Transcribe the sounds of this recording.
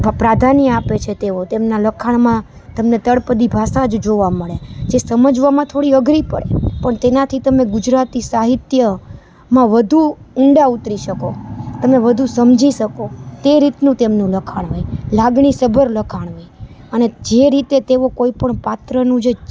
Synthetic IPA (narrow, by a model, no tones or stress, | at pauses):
pɾad̪ʱanijəapet͡ʃʰet̪eʋot̪emnaləkʰaɳmã | t̪əmnet̪əɽpəd̪ibʱasad͡ʒd͡ʒoʋaməɭed͡ʒesəməd͡ʒʋamãt̪ʰoɽiəɡɾipəɽḛpəɳt̪enat̪ʰit̪əmẽɡʊd͡ʒɾat̪isaɦit̪jə | mãʋəd̪ʱu | ʊɳɖaut̪ɾiʃəkot̪əmeʋəd̪ʱusəmd͡ʒiʃəkot̪eɾit̪nũt̪emnũləkʰaɽ̃ɦojlaɡɳisəbʱəɾləkʰaɳʋoj | əned͡ʒeɾit̪et̪eʋokoipəɳpat̪ɾənũd͡ʒe